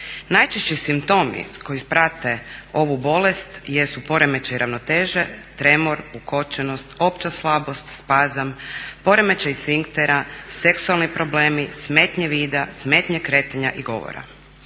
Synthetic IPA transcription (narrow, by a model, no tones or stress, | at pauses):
najt͡ʃeʃt͡ɕisimpt̪o̞mḭko̞jipɾat̪e̞o̞ʋubo̞le̞st̪jesupo̞ɾeme̞t͡ʃajɾʔaʋno̞t̪eːʒet̪ɾe̞moɾuko̞t͡ʃenost̪o̞pt͡ʃaslˠabo̞st̪spaːzampo̞ɾemet͡ʃajisʋiŋkt̪eɾaseksualˠnipɾo̞ble̞ːmismeːt̪ɲeʋiːd̪asmet̪ɲekɾe̞ːt̪aɲaʔiɡo̞̰ʋo̰ɾa̰